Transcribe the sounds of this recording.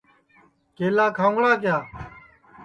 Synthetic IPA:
keːlaːkʰãːŋɡɽaːkjaː

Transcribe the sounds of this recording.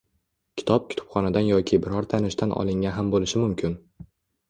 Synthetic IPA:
kʲʰɪ̥t̪ʰɒp̚kʲʰʊ̥t̪ʰʊ̥pχɒnad̪anjɒkʲʰɪbɪɾɒɾt̪ʰanɪʃt̪anʔɒ̰lˠɪŋʲaɦambolɪʃɪmʊmkʲʰɪn

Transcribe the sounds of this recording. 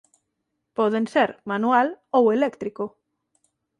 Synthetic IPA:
pɔðenseɾmanualowelekt̪ɾiko

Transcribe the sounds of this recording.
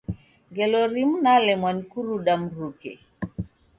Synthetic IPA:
ŋɡɛlɔɾimnalɛmwankuɾuɗamɾukɛ̰

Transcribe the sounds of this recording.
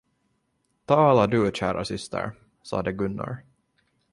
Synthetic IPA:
t̪ʰɑːlaɖɵɕæːɾasʏst̪ʰə̰ɾ | sɑ̰ːd̪əɡɵnːa̰ɾ

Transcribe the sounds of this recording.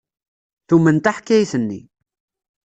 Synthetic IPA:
θumənt̪aħkːæjθənːḭ

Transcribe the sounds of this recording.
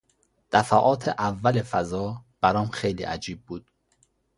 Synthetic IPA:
d̪̥æfæʔɒːt̪ʰeʔævːælefæzɒːb̥æɾɒːmxejlḭːʔæ̰d͡ʒiːb̚ːuːd̪̥̚

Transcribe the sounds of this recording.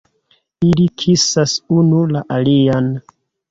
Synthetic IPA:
ilikʰisasunulaʔalian

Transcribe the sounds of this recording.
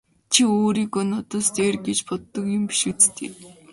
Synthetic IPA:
t͡ɕʰioːɾiːkɔnɔt̪əst̪eːrɡet͡ɕpʰɔt̪ːə̆kjʊ̆mpi̥ʃɪ̆kt͡st̪ʰḛː

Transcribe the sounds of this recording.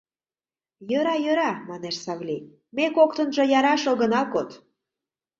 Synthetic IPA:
jøɾɑjøɾɑmɑneʃsɑβlʲi | mekokt̪ə̆nʒɤ̆jɑɾɑʃoɣənɑlkot̪

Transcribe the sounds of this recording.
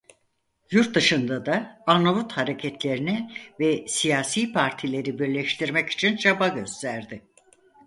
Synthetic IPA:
juɾt̪̚d̪ɯʃɯnd̪ad̪aanavut̪haɾe̞cʰɛt̪ʰlʲe̞ɾinɛvɛsijaːsiːpʰaɾt̪ʰilʲe̞ɾibiɾlʲɛʃt̪ʰiɾmɛci̥t͡ʃʰint͡ʃʰabaɟø̞st̪ʰæɾd̪ɪ

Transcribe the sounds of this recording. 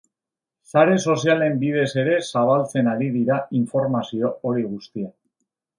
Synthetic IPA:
saɾe̞so̞siale̞mbið̞e̞se̞ɾe̞saβ̞alt͡se̞naɾiðiɾaiɱfo̞ɾmasio̞oɾiɣ̞ust̪ia

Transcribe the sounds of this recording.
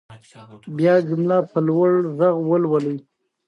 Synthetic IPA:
bjɑzimlɑpəlwaɽzaɣwəlwaləj

